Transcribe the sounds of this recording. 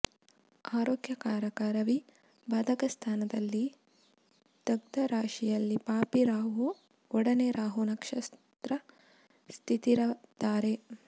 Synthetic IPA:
aːɾoːɡjɐkaːɾɐkaːɾɐʋi | baːd̪ʱɐkɐst̪ʰaːnɐd̪ɐlːi | t̪ɐɡ̚d̪ɐɾaːʂijɐlːipaːpiɾaːɦu | ɔɽɐneɾaːɦunɐkʂɐst̪ɾɐ | st̪ʰit̪iɾɐd̪aːɾe

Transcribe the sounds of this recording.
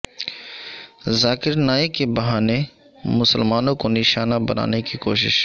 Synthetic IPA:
zaːkɪɾnaːɪkebɐɦaːne | mʊsəlmaːnõkonɪʃaːnabɐna̰ːnekiko̰ːʃɪ̰ʃ

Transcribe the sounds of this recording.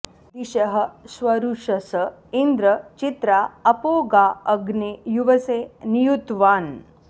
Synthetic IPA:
d̪iɕɐɦɐ̆sʋɐɾuʂɐsə | ind̪ɾɐt͡ʃit̪ɾaɐpoːɡaːɐɡnijuʋɐseːnijut̪ʋaːn

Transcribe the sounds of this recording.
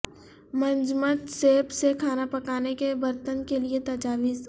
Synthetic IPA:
mɐ̃nd͡ʒmət̪seːpsekʰaːnapɐkaːnekebɐɾt̪ənkeliet̪ɐd͡ʒaːʋiz

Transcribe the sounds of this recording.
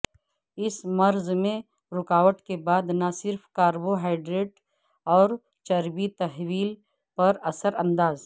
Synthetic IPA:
ɪsmɐɾzmẽ | ɾʊkaːʋəʈkebaːd̪nasɪɾfʰkaːɾboɦaːɪɖɾeːʈ | ɔːɾ | t͡ʃɐɾbit̪ɐɦwiːl | pɐɾɐsəɾɐ̃nd̪aːz

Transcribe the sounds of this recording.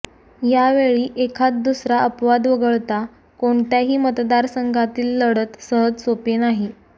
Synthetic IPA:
jaʋeɭiːʔekʰat͡s̪̚d̪usɾaəpʋad̪ʋəɡəɭt̪a | koɳt̪jaɦiːmət̪d̪aɾsəŋɡʱat̪iːlːəɽət̪səɦəd͡zsopenaɦi

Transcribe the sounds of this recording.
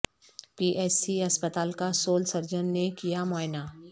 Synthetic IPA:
piːʔɛːsiɐspət̪aːlkasoːlsɐɾd͡ʒənːekijamɔːɪnaː

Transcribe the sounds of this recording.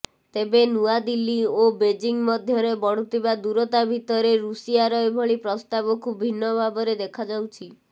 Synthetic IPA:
t̪ebenuad̪ilːiobed͡ʒiŋmɔd̪ʱjɔɾebɔɽ̤ut̪ʰibad̪uɾɔt̪abʱit̪ɔɾeɾusijaɾɔebʱɔɭipɾɔst̪abɔkʰubbʱinːɔbʱabɔɾed̪ekʰad͡ʒawt͡ʃʰi

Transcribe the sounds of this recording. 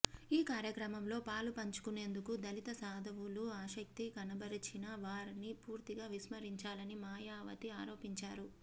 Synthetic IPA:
iːkaːɾjɐkɾɐmɐmlo̞ːpaːlupɐɲt͡ʃu̥kune̞ːnd̪ukud̪ɐlit̪ɐsaːd̪ʱɐʋuluaːʃɐk̚t̪ikɐnɐbɐɾit͡ʃinɐʋaːɾinipuːɾt̪iɡaːʋismɐɾiɲt͡ʃaːlɐnimaːjaːʋɐ̰t̪iaːɾo̞ːpiɲt͡ʃaːɾu

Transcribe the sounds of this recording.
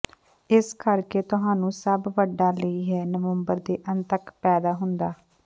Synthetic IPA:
ɪskəɾkeːt̪ʊɦãːnũːsəbʋəɖaːləiːɦɛːnəʋəmbəɾd̪eːʔənt̪əkpɛːd̪aːɦʊnd̪aː

